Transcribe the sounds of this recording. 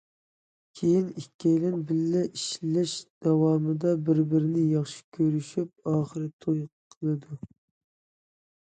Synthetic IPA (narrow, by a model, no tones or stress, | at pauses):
kʲʰejinikʲːɛjlɪnbɪlːɛʔiʃlɛʃd̪̥ɑwɑːmɨd̪ɑbɪɾbɪɾɪnɪjɑχʃi̥kʲʰøɾyʃyp̚ɑːχəɾɨt̪ʰojqʰːəlˠɨd̪u